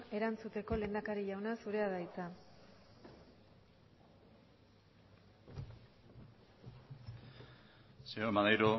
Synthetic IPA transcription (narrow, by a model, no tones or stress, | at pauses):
e̞ɾant͡sut̪e̞ko̞le̞ːnd̪akaɾiʝawnasuɾe̞aðajt͡sa | seoemanajɾu